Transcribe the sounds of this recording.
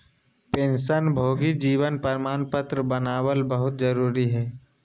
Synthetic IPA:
pẽːnʃənbʱoːɡid͡ʒiːʋənpəɾmaːnpət̪ɾəbənaːwəlbəɦʊt̪̚d͡ʒəɾuːɾiɦɛː

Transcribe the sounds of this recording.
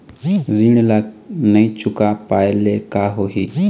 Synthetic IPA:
ɾiɳ̃laːnəĩt͡ʃʊkapaːeleːkaːɦoːɦiː

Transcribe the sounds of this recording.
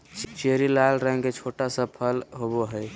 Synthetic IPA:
t͡ʃeɾilalɾə̃ŋɡket͡ʃʰoʈasəpʰəlɦoboɦəj

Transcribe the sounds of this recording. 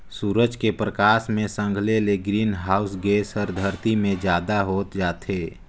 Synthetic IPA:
suːɾəd͡ʒkepɾəkaːsmẽsə̃ŋɡʱleleɡɾiːnɦaːʊsɡeːsəɾd̪ʱəɾt̪imẽd͡ʒjaːd̪aɦoːt̪d͡ʒaːt̪ɦeː

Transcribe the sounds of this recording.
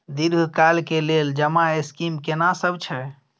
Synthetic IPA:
d̪iɾɡkalkeleld͡ʒəmaeskimkenasəbt͡ʃʰɛ

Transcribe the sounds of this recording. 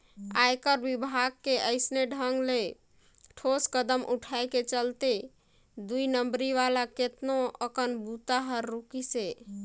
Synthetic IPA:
ajkəɾbibʱaɡ̚keəɪsneɖʱəŋɡle | ʈʰoskəd̪əmʔṵʈʰaeket͡ʃəlt̪e | d̪uinəmbɾiʋalaket̪noəkənbut̪aɦəɾːukise

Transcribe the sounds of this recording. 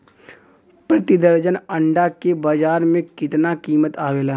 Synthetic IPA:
pɾɐt̪ɪd̪əɾd͡ʒənɐ̃ɳɖakebaːd͡ʒaːɾmẽkɪt̪nakiːmət̪aːʋeːlaɦ

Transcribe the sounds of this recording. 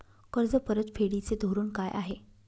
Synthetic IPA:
kəɾd͡zəpəɾət̪fʰeɽit͡sed̪ʱoɾuːnkajʔa̰ɦe

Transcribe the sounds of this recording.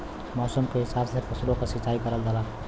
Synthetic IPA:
mɔːsəmkeɦɪsaːbsepʰəslõkasɪt͡ʃːaːikəɾəld̪əla

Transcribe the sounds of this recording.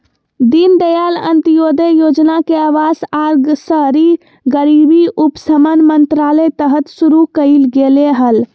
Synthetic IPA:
d̪ind̪əjalə̰nt̪ijod̪əjod͡ʒnakeaʋasaɾɡsəɦɾi | ɡəɾibiʔupsəmənmənt̪ɾalət̪əɦət̪suɾukəɪlɡeleɦəl

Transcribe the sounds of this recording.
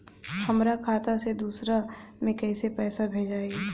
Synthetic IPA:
hɐmɾakʰaːt̪ased̪uːsɾamẽkɛːsepɛːsabʱeːd͡ʒaːe

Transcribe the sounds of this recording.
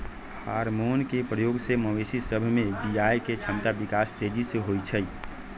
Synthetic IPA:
haɾmonkepɾəjoɡseməwesisəbʱmebid͡ʒajket͡ʃʰəmt̪abikast̪ed͡ʒiseɦojt͡ʃʰəj

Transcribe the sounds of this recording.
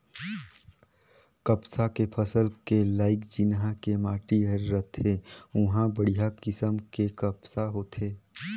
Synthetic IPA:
kəpsakepʰəsəlkelaːɪkd͡ʒɪnɦãkemaːʈiɦəɾːət̪ɦẽʊɦãbəɽijakɪsəmkekəpsaɦoːt̪ɦeː

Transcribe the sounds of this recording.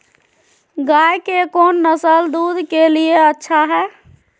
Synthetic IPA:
ɡajkekonːəsəld̪ud̪ʱkelieətːʃʰaɦɛː

